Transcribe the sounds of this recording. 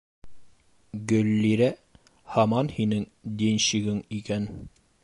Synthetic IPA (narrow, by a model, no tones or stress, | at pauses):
ɡɵ̆lːiɾæ | hɑmɑnhinɘŋd̪inɕiɡɘŋikæn